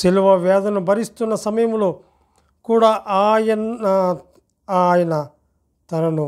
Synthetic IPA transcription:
siluʋɐʋɛːd̪ɐnubʱɐɾist̪unːɐsɐmɐjɐmloː | kuːɽaːʔaːjɐnɐ | aːjɐnɐ | t̪ɐnɐnu

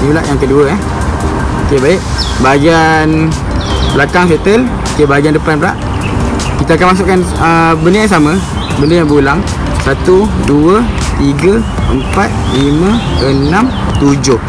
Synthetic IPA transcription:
nibəla̰ʔjaŋkəduəɛh | okebaɪʔbaɡian | bəlakaŋset̪əl | okebaaɡiandəpanbəla̰ʔ | kit̪akanmas̬ʊʔkːanəbəndəjaŋs̬amə̃ | bəndəjaŋbəulaŋ | sat̪uduə | t̪iɡə | əmpat̪̚limə̃ənãm | t̪ud͡ʒʊh

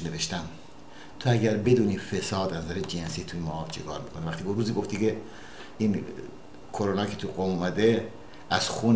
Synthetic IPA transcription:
neveʃt̪æm | t̪ʰoæɟæɾbe̞d̪uːniːfesɒːd̪ænzæɾed͡ʒensit̪ʰujemɒːt͡ʃʰeɡɒ̰ːɾmikʰonevæχt̪iːkuɾuːziːɡo̞ft̪iːke | in | kʰoɾonɒːkʰet̪ʰuɡomumæd̪e | ʔæz̥xuːn

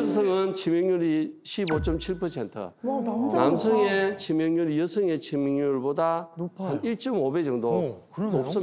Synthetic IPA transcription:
s̬ʰʌŋɯnt͡ɕimjʌŋɲuɾiɕʰibot͡ɕ͈ʌmt͡ɕʰiɭpʰʌsʰe̞ntʰɯ̰namsʰɯŋet͡ɕimjʌŋɲuɾjʌsʰɯŋe̞t͡ɕimjŋɲuɭbodahaniɭt͡ɕ͈ʌmobed͡ʑʌŋdokɯnops͈ʌ

